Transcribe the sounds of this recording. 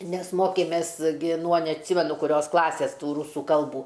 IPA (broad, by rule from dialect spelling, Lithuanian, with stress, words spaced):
ˈnʲɛs ˈmoːkʲeːmʲeːs ˈɡʲɪ nuɔ nʲɛɐtʲˈsʲɪmʲɛnʊ kʊˈrʲoːs ˈklˠɑːsʲeːs ˈtuː ˈruːsuː ˈkɐlˠbuː